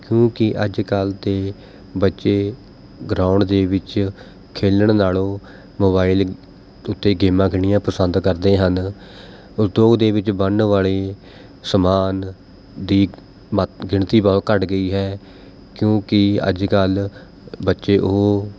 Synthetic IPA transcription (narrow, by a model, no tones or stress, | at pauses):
kjõːkɪʔəd͡ʒkəlt̪eː | bətːʃeː | ɡɾaːʊɳɖd̪eːʋɪt͡ʃ | kʰeːləɳnaːlõː | moːβaːɪl | ʊt̪ːeːɡeːmãːkʰɪɳɪjãːpəsənd̪kəɾd̪eːɦən | ʊsd̪oːɡd̪eːʋɪt͡ʃbəɳʋaːleː | səmaːn | d̪iː | mɡɪɳt̪iːbɔːt̪̚kəʈɡəiːɦɛː | kjõːkɪə̰d͡ʒkəl | bətːʃeːʔoɦ